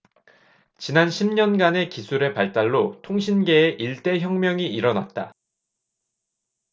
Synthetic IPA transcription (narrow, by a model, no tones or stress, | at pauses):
t͡ɕinanɕʰimɲʌnɡane̞kisʰuɾe̞paɭt͈aɭːotʰoŋɕʰinɡe̞ːʔiɭt͈e̞çjʌŋmjʌŋiiɾʌnat̚t͈a